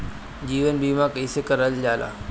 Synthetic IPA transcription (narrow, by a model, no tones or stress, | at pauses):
d͡ʑiːʋənbʱiːmãkəisekəɾəld͡ʒaːla̰ː